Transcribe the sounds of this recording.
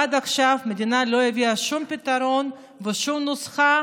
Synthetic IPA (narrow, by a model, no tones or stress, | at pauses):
ad̪aχʃafmed̪inalo̞eviaʃumpit̪aɾo̞n | veʃumnusχa